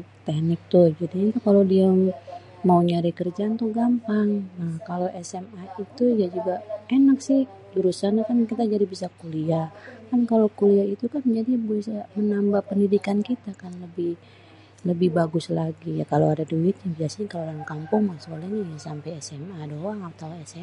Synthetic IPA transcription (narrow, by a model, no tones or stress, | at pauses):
t̪ɛhnɪk̚t̪ʊd͡ʒadinit̪ukalodia | mauɲaɾikərd͡ʒant̪uhɡampaŋnahkaloʔɛsɛmait̪ujad͡ʒuɡaenak̚sɪh | duɾusanakankit̪ad͡ʒadibisakuliakankalokuliait̪ukand͡ʒadibisamənambahpəndidikankit̪akanləbɪh | ləbɪhbaɡʊslaɡijakaloadaduɪt̪̚ɲabiasɪkalolankampʊŋmasolahɲajasampajɛsɛmadoaŋat̪awɛsɛ